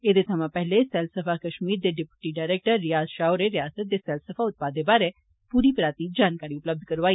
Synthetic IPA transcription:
eːd̪eːsʰəmãːpɛɦlesɛːlsəpʰaːkəʃmiːɾd̪eːɖɪpjʊʈiːɖaːɪɾeːk̚ʈəɾːɪjaːzʃaːoɾeɾɪjaːsət̪̚d̪eːsɛlsəpʰaːʊt̪̚paːd̪eːbaːɾe | puːɾiːpɾaːt̪iːd͡ʒaːnkaːɾiːʊpləb̚d̪ʱkəɾʋaːi

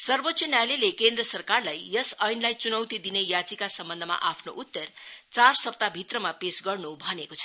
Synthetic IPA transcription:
sʌrbot̪sʰʌnjalelekend̪rʌsʌrkarlajːʌsʌjnlajt͡sunʌwt̪id̪inejat͡sikasʌmbʌnd̪ʱʌma̰ʔapʰnoʔut̪ːʌrt͡sarsʌp̚t̪abʱit̪rʌmapesɡʌrnubʱʌnekot͡sʰʌ̥

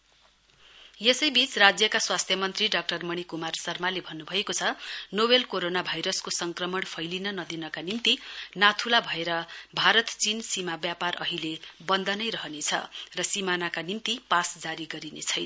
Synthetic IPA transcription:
jesʌjbit͡srad͡zjʌkaswast̪ʰjʌmʌnt̪riɖʌk̚ʈʌrmʌɽ̃ikumarsʌrmalebʱʌnːubʱʌjekot͡sʰʌnobelkoɾonabʱajɾʌskosʌŋkrʌmʌɽpʰʌjlinʌnʌd̪inʌkanimt̪inat̪ʰulabʱʌeɾʌbʱaɾʌt̪t͡sinsimabjaparʔʌɦilebʌnd̪ʱʌnʌjrʌɦʌnet͡sʰʌ̰rʌsimanakanimt̪ipasd͡zaɾiɡʌɾinḛt͡sʰʌjn

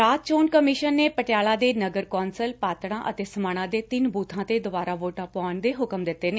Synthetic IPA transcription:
ɾaːt̪̚t͡ʃoːnkəmɪʃənːeːpəʈɪjaːlaːd̪eːnəɡəɾkɔːnsəlpaːt̪ɽãːʔət̪eːsəmaːɽ̃ãːd̪eːt̪ɪnbʱuːt̪ʰãːt̪eːd̪ʊbaːɾaːʋoːʈãːpaːnd̪eːɦʊkəmd̪ɪt̪ːeːneː

